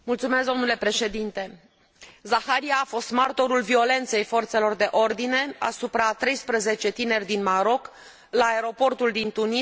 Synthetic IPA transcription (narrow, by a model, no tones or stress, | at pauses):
mult̪sume̞sd̪o̞mnule̞pɾe̞ʃe̞d̪int̪e̞ | zaxaɾiaːfo̞st̪mart̪o̞ɾulvio̞le̞nt̪se̞jfo̞rt̪se̞lo̞rd̪e̞ʔo̞rd̪ine̞a̰supɾat̪ɾe̞jspɾəze̞t͡ʃe̞t̪ine̞rʲd̪inmaɾo̞k | laːeɾo̞po̞rt̪uld̪int̪uni